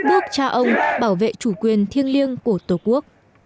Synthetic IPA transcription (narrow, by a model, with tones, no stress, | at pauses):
ɓɨ˦˥ək̚t͡ɕaː˧ʔə˧wŋ͡mɓaː˧˩wvḛ˧˨t͡ɕu˧˩kwi˨˩ənt̪ʰi˧ənli˧ənku˧˩ət̪o˧˩ku˦˥ək̚